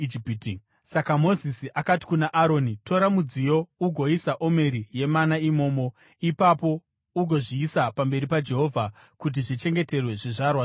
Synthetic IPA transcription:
ipːti | sakamo̞zisiʔakati̥kunaʔaɾo̞ːnito̞ɾamud͡zijo̞uɡʱo̞isaʔo̞me̞ɾije̞manaimo̞ːmo̞ | ipapo̞ | uɡʱo̞ʐiːsapambe̞ɾipad͡ʒe̞ɦo̞vʱa | kut̬iʐit͡ʃe̞ŋɡe̞te̞rwe̞ʐiʐarwa

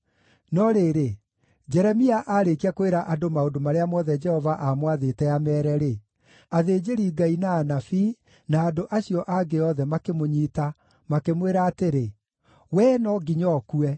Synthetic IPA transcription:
nɔɾeɾe | d͡ʑɛɾɛmiaʔaɾekiakoeɾaʔadomaondomaɾeamɔðɛd͡ʒɛhɔvaʔamwaðetɛamɛːɾɛɾe | aðeːd͡ʒeɾiːɡainaːnafi | naːdoʔaɕiɔʔaɡeɔðɛmakemoɲiːta | makemweɾaːteɾe | wɛnɔɡiɲɔkuɛ

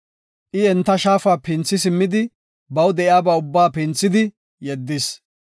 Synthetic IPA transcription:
ʔɪɛnt̪ːɐʃaːfaːpɪnt͡sːɪsɪmːɪd̪ɪ | bɐwd̪ɛʔjaːbɐːʊbːaːpɪnt͡sːɪd̪ɪ | jɛd̪ːɪs

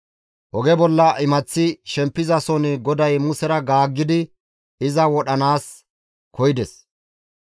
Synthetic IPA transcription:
ʔɔɡɛbɔlːɐʔɪmɐt͡sːɪʃɛmpːɪzɐsɔnɪɡɔd̪ɐjmʊsɛɾɐɡaːɡːɪd̪ɪ | ɪzɐwɔɗɐnaːs | kʰɔjɪd̪ɛs

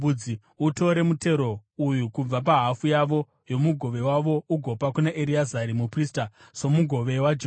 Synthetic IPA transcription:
ud͡zi | uto̞ɾe̞mute̞ɾo̞ujukub͡vapaɦafujaʋo̞ | jo̞muɡʱo̞ʋe̞waʋo̞uɡʱo̞pakunaʔeɾiazaɾimupristaso̞muɡʱo̞ʋe̞wad͡ʒ

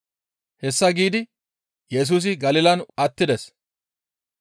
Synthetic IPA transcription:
hɛsːɐɡiːd̪ɪ | jɛs̬uːs̬ɪɡɐlɪlɐnɐt̪ːɪd̪ɛs

